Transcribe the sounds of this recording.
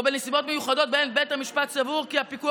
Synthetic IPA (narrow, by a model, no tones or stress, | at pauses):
benesibo̞t̪mejuχado̞t̪̚bejnbejt̪hamiʃpat̪savuʁkihapiku